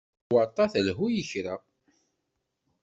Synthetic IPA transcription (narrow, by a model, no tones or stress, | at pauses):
wəɾt̪ˤɑθəlɦujəçɾa